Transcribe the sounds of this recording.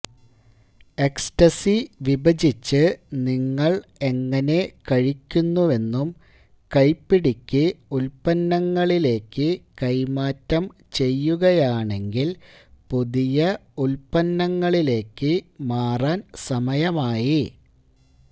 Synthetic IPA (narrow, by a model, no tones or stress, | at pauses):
e̞kstɐsiʋibɐd͡ʑit͡ɕːɨniŋːɐɭe̞ŋːɐne̞kɐɻikʲːunːue̞nːum | kɐjpːiɽikʲːɨulpɐnːɐŋːɐɭile̞ːkːɨkɐjmaːtːɐm | t͡ɕe̞jːuɣɐjaːɳe̞ŋɡil | puðijɐulpɐnːɐŋːɐɭile̞ːkːɨmaːraːnsɐmɐjɐmaːji